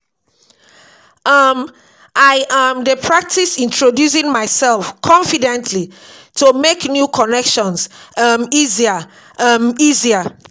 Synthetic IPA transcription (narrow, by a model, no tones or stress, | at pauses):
ʔam | ʔaɪʔãmdəpʰɹak̚tisĩntʰɹodjus̬ĩŋmaɪsɛlfkʰɔ̃nfidɛ̃ntʰlitʰumeknjukʰɔnɛkʃɔ̃nsamizia | amizia